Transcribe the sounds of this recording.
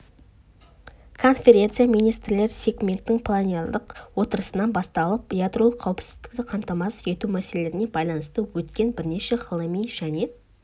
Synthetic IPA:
kʰo̞nfʲe̞ɾʲe̞nt̪sɨjamijnijst̪ɾɪle̞ɾɪsʲe̞ɡmʲe̞nt̪ːɪŋpʰlˠanijalˠd̪əqwo̞t̪əɾəsənɑnbɑst̪ɑlˠəp̚bjad̪ɾo̞lˠəqʰːɑwɪpsɪzd̪ɪ̥kt̪ɪqʰɑmt̪ɑmɑsʏje̞t̪umæse̞le̞ɾɪne̞bɑjlˠɑnəst̪əwɵt̪kʲe̞nbɪɾne̞ʃe̞ʁəlˠəmijʒæne̞

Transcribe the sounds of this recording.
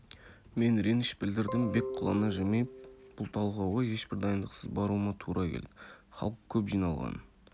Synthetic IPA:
me̞nɾenɪʃbɪld̪ɪɾd̪ɪŋbe̞kqʰʊlˠɑ̰nɑʒemejb̥ʊlˠt̪ʰɑlˠʁɑwʁɑje̞ʃbɪɾd̪ɑjənd̪əqsəzbɑɾuəmɑt̪ʰuɾʔɑkʲʰḛld̪ɪχɑ̰lˠəq̚kʲʰɵpʒijnɑlˠʁɑ̰n

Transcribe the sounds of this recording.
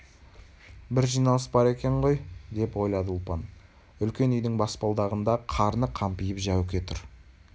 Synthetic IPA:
bɪɾʒijnɑlˠəsbɑɾe̞kʲe̞ɴʁo̞jd̪e̞pwo̞jlˠɑd̪əʊlˠpɑn | ʏlkʲe̞nʏjd̪ɪŋbɑspɑlˠd̪ɑʁənd̪ɑqʰɑɾnəqʰɑmpijɪpʒæwɪkʲe̞t̪ʰʊ̰ɾ

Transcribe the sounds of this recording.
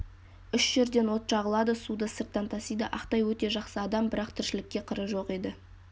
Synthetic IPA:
ʏʃʒ̥ɪɾd̪e̞nwo̞t̪ʃɑʁəlˠɑd̪əsud̪əsəɾt̪ːɑnt̪ʰɑsijd̪əʔɑqt̪ɑjwɵt̪e̞ʒɑqsəɑd̪ɑmbɪɾɑqt̪ʰɪɾʃɪlɪkʲːe̞qʰəɾəʒo̞qe̞d̪ɪ

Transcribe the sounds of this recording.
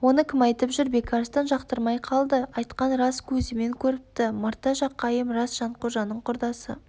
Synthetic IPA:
wo̞nəkʲʰɪmɑjt̪əpʒʏɾbe̞kʲʰɑɾst̪ɑnʒɑqt̪əɾmɑjqʰɑlˠd̪əɑjt̪qɑnɾɑskʲʰɵzɪme̞ŋkʲʰɵɾɪp̚t̪ɪməɾt̪ɑʒɑqːɑjəmrɑsʒ̥ɑɴqʊɾʒɑnəɴqʰʊɾd̪ɑsə̰

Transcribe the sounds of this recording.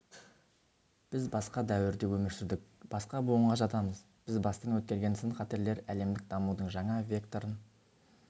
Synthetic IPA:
b̥ɪzbɑsqɑd̪æwɪɾd̪e̞wɵmɪɾsɪɾd̪ɪk̚b̥ɑsqɑbuəɴʁɑʒɑt̪ɑməz | b̥ɪzbɑst̪əɴwɵt̪̚kʲe̞ɾɡʲe̞nsənχɑt̪e̞ɾle̞ɾæle̞md̪ɪk̚d̪ɑmud̪əɴʒɑɴɑvʲe̞kt̪o̞ɾən

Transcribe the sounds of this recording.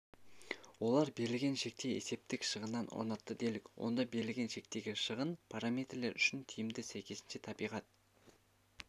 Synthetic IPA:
wo̞lˠɑɾbe̞ɾɪlɡʲe̞nʃe̞k̚t̪e̞jese̞p̚t̪ɪkʃəʁənːɑnʔo̰ɾnɑt̪ːəd̪e̞lɪkʲwo̞̰nd̪ɑbe̞ɾɪlʲɡʲe̞nʃe̞k̚t̪e̞ɡʲɪʃəʁənpʰaɾamʲejt̪rle̞ɾʏʃɪnt̪ʲʰijɪmd̪ɪsæjkʲe̞sɪnʃe̞t̪ʰɑbijʁɑt̪̚

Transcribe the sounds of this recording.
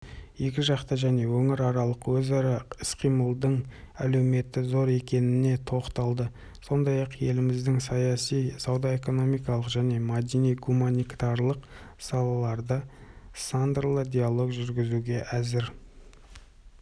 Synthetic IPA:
je̞kʲɪʒɑqt̪əʒæne̞wɵŋɪɾɑɾɑlˠəqwɵzɑɾɑɪsqʰijməlˠd̪əɴ | æ̰le̞wme̞t̪ːɪzo̞ɾe̞kʲe̞nɪne̞t̪ʰo̞qt̪ɑlˠd̪ə | so̞nd̪ɑjɑqje̞lɪmɪzd̪ɪŋsɑjɑsijsɑwd̪ɑe̞ko̞no̞mijkɑlˠəqʒæne̞mad̪ʲinijɡumanit̪ɑɾlˠəqsɑlˠɑlˠɑɾd̪əsand̪rlˠəd̪ʲijalˠo̞ɡʒʏɾɡʲɪzuɡʲe̞ʔæzɪɾ

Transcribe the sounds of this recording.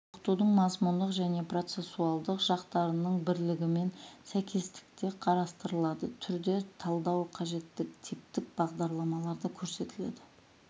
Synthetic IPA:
ʊqt̪ud̪əɴmɑzmʊnd̪əqʒæne̞pro̞t̪se̞sːuɑlˠd̪əqʒɑqt̪ɑɾənəɴbɪɾlɪɡʲɪme̞nsæjkʲe̞st̪ɪ̥k̚t̪e̞qʰɑɾɑst̪əɾəlˠɑd̪ət̪ʰʏɾd̪e̞t̪ʰɑlˠd̪ɑwqʰɑʒe̞t̪ːɪkt̪ʰip̚t̪ɪk̚bɑʁd̪ɑɾlˠɑmɑlˠɑɾd̪əkʲʰɵɾse̞t̪ɪlḛd̪ɪ

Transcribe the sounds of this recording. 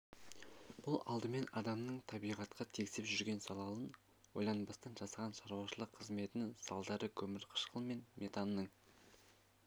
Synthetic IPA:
b̥ʊlˠɑ̰lˠd̪əme̞nɑd̪ɑmnəɴt̪ʰɑbijʁɑt̪qʰɑt̪ʰekʲsɪpʒʏɾɡʲe̞nsɑlˠɑlˠən | wojlˠɑnbɑst̪ɑnʒɑsɑʁɑnʃɑɾuwɑʃəlˠəqʰːəzme̞t̪ɪnɪŋsɑ̰lˠd̪ɑɾʔəkʲʰɵmɪɾqʰə̥ʃqʰəlˠme̞nmʔe̞t̪ɑnːəɴ

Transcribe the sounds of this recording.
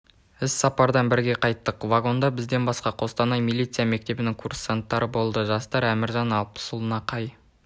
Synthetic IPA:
ɪsːɑpɑɾd̪ɑnbɪɾɡʲe̞qʰɑjt̪ːəqvaɡo̞nd̪ɑbɪzd̪e̞nbɑsqɑqʰo̞st̪ɑnɑjmilʲˠijt̪sɨjame̞k̚t̪e̞bɪnɪŋkʰursant̪ːɑɾəbo̞lˠd̪əʒɑst̪ɑɾæmɪɾʒɑnɑlˠpə̥sʊlˠənɑqʰɑj

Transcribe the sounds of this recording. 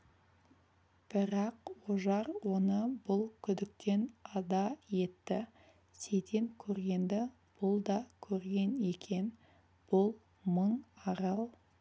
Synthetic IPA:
b̥ɪɾɑqwoʒɑɾwo̞nəbʊlˠkʲʰʏd̪ɪk̚t̪e̞nɑd̪ɑje̞t̪ːɪ | se̞jt̪ʰe̞nkʲʰɵɾɡʲe̞nd̪ɪ | b̥ʊlˠd̪ɑkʲʰɵɾɡʲe̞ne̞kʲʰe̞n | b̥ʊlˠ | məɴɑɾɑlˠ

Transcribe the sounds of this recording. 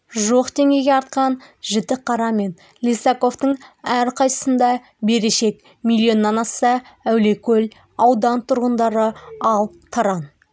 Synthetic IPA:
ʒoqd̪e̞ŋʲe̞jɡʲeɑɾt̪̚qɑnʒɪt̪ɪqʰːɑɾɑme̞n | lʲisako̞ft̪əɴæɾqʰɑj̪ə̥sənd̪ɑ | be̞ɾeʃe̞k | milʲːio̞nːɑnɑsə | æwle̞kʲʰɵl | ɑwd̪ɑnt̪ʰʊɾʁənd̪ɑɾəɑlˠ | t̪ʰɑɾɑn

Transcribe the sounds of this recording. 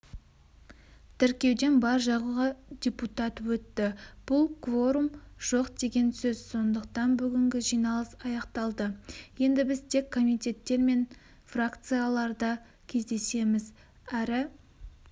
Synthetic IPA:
t̪ʰʏɾkʲe̞wd̪e̞nbɑɾʒɑʁuʁɑd̪ʲeput̪ɑt̪wɵt̪ːɪb̥ʊlˠkvo̞ɾumʒ̥o̞qd̪e̞ɡʲe̞nsɵz̥so̞nd̪əqt̪ɑnbʏɡʲɪŋɡʲɪʒijnɑlˠəsɑjɑqt̪ɑlˠd̪əje̞nd̪ɪbɪzt̪ʰe̞kʰːo̞mijt̪ʲe̞t̪ːe̞ɾme̞n | frakt̪sɨjalˠɑɾd̪ɑ | kʲʰe̞zd̪e̞se̞mɪz | æɾɪ

